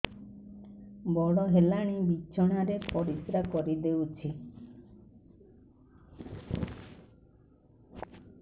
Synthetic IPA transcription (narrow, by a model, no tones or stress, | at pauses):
bɔɽɔɦelaɽ̃ibit͡ʃʰɔɽ̃aɾepɔɾisɾakɔɾid̪ewt͡ʃʰi